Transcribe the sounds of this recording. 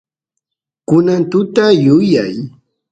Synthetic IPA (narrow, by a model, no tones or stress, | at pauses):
kʊnant̪ʊt̪ajʊjaj